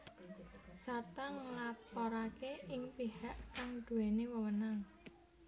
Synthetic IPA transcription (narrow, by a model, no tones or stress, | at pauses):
sart̪aŋəlapoɾakeɪŋpihaʔkaŋd̪̥ṳwenewəwənaŋ